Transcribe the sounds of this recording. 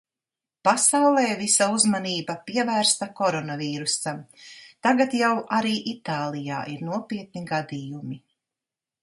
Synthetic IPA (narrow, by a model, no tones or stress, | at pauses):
pasawlˠɛːvisauzmaniːbapiɛvæːɾst̪akɔɾɔnaviːɾusamt̪aɡat̪jawʔaɾiːʔit̪aːlˠija̰ːʔiɾnuɔpiɛt̪niɡad̪ijumi